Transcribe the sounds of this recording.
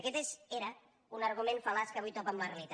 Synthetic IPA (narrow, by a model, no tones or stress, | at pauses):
kɛt̪ezeɾə | unɐɾɣumẽnfalaskəβujt̪ɔpamlaɾlit̪